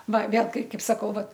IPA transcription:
ˈʋɐ ˈʋʲeːlˠ ˈkɐɪ ˈkɐɪp sɐˈkɐʊ ˈʋɐt

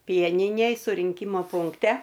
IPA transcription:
ˈpʲiɛnʲɪnʲeːj sʊrʲɪŋʲˈkʲiːmɐ pʊŋkˈtʲɛ

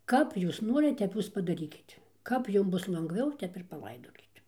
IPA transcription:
ˈkɐp ˈjuːs ˈnoːrʲɪt ˈtʲɛp ˈjuːs pɐdɐˈrʲiːkʲɪt ˈkɐp ˈjʊm ˈbʊs lˠɐŋɡˈʋʲɛʊ ˈtʲɛp ɪr pɐˈlˠɐɪdoːkʲɪt

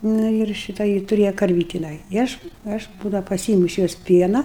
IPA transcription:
ˈnɐ ɪr ˈʃʲɪtɐ ˈjɪ tʊˈrʲeːjɛ kɐrʲˈʋʲiːtʲɪ jɪˈnɐɪ ɪ ˈɐʃ ˈɐʃ ˈbuːdɐʊ pɐˈsʲɪɪmʊ ɪʃ ˈjoːs ˈpʲiɛnɐ

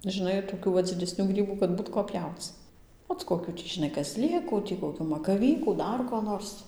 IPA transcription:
ʒʲɪˈnɐɪ toːˈkʲuː ʋɐ d͡zʲɪdʲɛˈsʲnʲuː ˈɡrʲiːbuː kɐt ˈbuːt koː ˈpʲjɛʊt͡s ˈoːt koːˈkʲuː tʲiː ʒʲɪˈnɐɪ kɐˈzʲˈlʲeːkuː tʲiː koːˈkʲuː mɐkɐˈʋʲiːkuː ˈdɐr koː ˈnoːrs

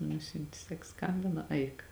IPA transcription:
ˈnʊsʲʊnʲtʲɪ ˈsɐk ˈskɐmʲbʲɪnɐ ˈɐɪk

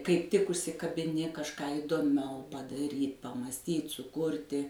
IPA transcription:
kɐɪp ˈtʲɪk ʊʃʲsʲɪkɐbʲɪˈnʲɪ kɐʃˈkɑː iːdoːˈmʲɛʊ pɐdɐˈrʲiːt pɐmɑːsʲˈtʲiːt sʊˈkʊrʲtʲɪ

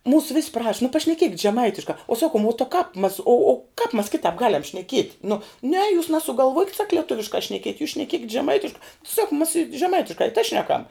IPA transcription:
ˈmuːsʊ ʋʲɪsʲ prɐʃ nʊ pɐʃʲnʲɛˈkʲiɛkʲɪtʲ ʒʲɛˈmɐɪtʲɪʃkɐ ʊ ˈsɑːkʊm oː tɐ kɑːp mɐs oː oː kɑːp mɐs ˈkʲɪtɑːp ˈɡɑːlʲɛm ʃʲnʲɛˈkʲiɛtʲ nʊ nʲɛ juːs nɐsʊɡɐlˠˈʋuɔkʲɪt sɐk lʲiɛˈtʊʋʲɪʃkɑː ʃʲnʲɛˈkʲiɛtʲ juːs ʃʲnʲɛˈkʲiɛkʲɪtʲ ʒʲɛˈmɐɪtʲɪʃkɐ sɐk mɐs ɪ ʒʲɛˈmɐɪtʲɪʃkɐ ɪ tɐɪ ˈʃʲnʲæːˌkɐm

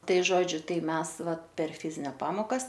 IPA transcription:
ˈtɐɪ ˈʒoːd͡ʒʲʊ ˈtɐɪ ˈmʲɛs ˈʋɐ pʲɛr ˈfʲɪzʲɪnʲɛ ˈpɑːmoːkɐs

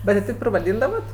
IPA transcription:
ˈbʲɛt tʲɪ ˈtʲɛɪp ɪr ʋɐˈdʲiːndɐʋɐt

